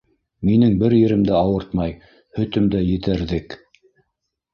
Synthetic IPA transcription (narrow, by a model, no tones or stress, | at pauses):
minɘŋbɘɾjɘ̆ɾɘ̆md̪æɑwɤɾt̪mɑj | hɵ̆t̪ɵ̆md̪æjɘ̆t̪æɾðɘk